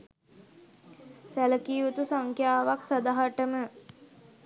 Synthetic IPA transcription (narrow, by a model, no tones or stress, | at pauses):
sæləkiːʋut̪usaŋkjaːʋaksad̪aɦaʈəmə